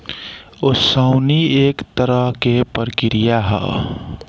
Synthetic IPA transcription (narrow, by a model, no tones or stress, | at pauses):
osəʊnieːkt̪əɾəɦkepəɾkɪɾɪjaɦɛ̰ː